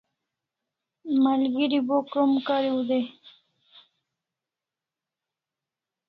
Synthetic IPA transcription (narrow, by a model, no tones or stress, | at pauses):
malɡiɾibokəmkaɾiud̪e